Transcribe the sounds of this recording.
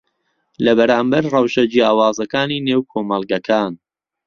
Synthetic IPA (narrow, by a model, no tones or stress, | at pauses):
lɐbɐɾaːmbɐɾrɐwʃɐd͡ʒiaːwaːzɐkaːniːneːwkʰoːmɐlˠɡɐkʰaːn